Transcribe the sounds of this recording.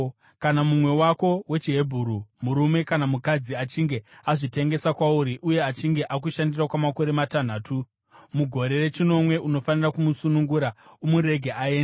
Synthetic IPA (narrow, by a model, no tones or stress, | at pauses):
kanamumwe̞wako̞we̞t͡ʃiɦe̞bʱuɾumuɾume̞kanamukad͡ziat͡ʃiŋɡe̞aʐite̞ŋɡe̞sakwauɾiʔuje̞at͡ʃiŋɡe̞ʔak̬uʃandirakwamako̞ɾe̞matan̤aːtu | muɡʱo̞ɾe̞re̞t͡ʃino̞mwe̞ʔuno̞fanirakumusunuŋɡuɾaumuɾe̞ɡʱeʔae̞ːnda